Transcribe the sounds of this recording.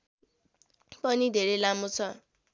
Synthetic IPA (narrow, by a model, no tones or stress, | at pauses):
pʌnid̪ʱeɾelamot͡sʰʌ